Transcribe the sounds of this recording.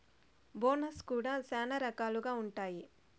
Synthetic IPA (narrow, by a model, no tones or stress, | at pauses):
boːnɐskuːɽasaːnɐɾɐkaːluɡaːuɳʈaːji